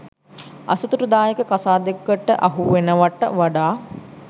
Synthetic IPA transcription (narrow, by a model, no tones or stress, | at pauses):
ɐ̰sɐt̪uʈud̪aːjekəkasaːd̪ekːəʈːəʔaɦuʋenəʋaʈːə̰ʋaɖaː